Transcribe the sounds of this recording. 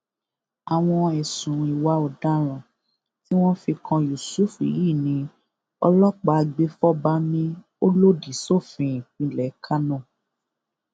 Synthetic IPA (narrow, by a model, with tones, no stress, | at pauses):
a˨w̃ɔ̃˧ɛ˨sũ˨˦i˨wa˦ɔ˧˨da˦ɾ̃ã˨ | ti˦w̃ɔ̃˦fi˧kʰã˧ju˨su˦˨fḭ˨˦ji˦˨nĩ˧ | ɔ˧lɔ˦k͡pa˧a˧ɡ͡be˦fɔ˦ba˦nĩ˦ | o˦lo˦di˨so˦˨fĩ˧ĩ˨k͡pĩ˧˨lɛ˨˦kʰa˦nɔ̃˦˨